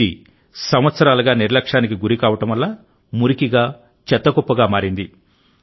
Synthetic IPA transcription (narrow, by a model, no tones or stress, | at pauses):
i | sɐmʋɐt̪sɐɾaːlɐɡaːniɾlɐkʂaːnik̬iɡuɾikaːʋɐʈɐmʋɐlːaː | muɾikiɡaː | t͡ʃɛt̪ːɐkɔpːɐɡaːmaːɾind̪i